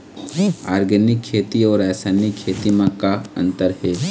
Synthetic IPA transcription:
aːɾɡənɪkʰːeːt̪iɔːɾɛːsaːnikʰːeːt̪imãkaə̰̃nt̪əɾɦɛː

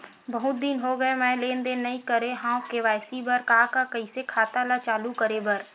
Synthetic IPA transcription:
bɐɦʊt̪̚d̪iːnɦoɡəemɛ̃ːleːnd̪enːɐĩkəɾeɦãːkeʋaːjsibɐɾkakakɐisekʰaːt̪alat͡ʃaːlukəɾebɐɾ

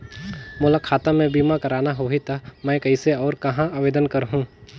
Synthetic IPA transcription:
moːlakʰaːt̪amẽbiːmakɐɾaːnaɦoːɦit̪amɛ̃kɐiseɔːɾkɐɦãaːʋeːd̪ənkɐɾɦũː

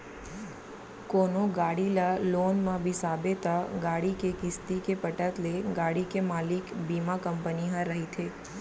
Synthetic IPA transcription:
koːnoɡaːɽilaloːnmãbʱisabet̪aɡaːɽikekɪst̪ikepəʈət̪leɡaːɽikemaːlɪkbimakəmpəniɦə̃ɾəɦit̪ʰeː

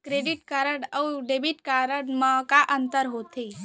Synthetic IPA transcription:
kɾeɖiʈkaɾəɽəuɖebiʈkaɾəɽməkaʔənt̪əɾɦot̪i

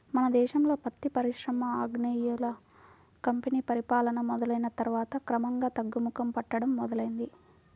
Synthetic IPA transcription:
mɐnɐd̪ɛːʃɐmlo̞ːpɐt̪ːipɐɾiʃɾɐmɐaːɡɳɐjulɐ | kɐmpeniːpɐɾipaːlɐnɐmɔd̪ɐlɐjinɐt̪ɐɾʋaːt̪ɐkɾɐmɐŋɡaːt̪ɐɡːumukɐmpɐʈːɐɽɐmːɔd̪ɐlɐjind̪i

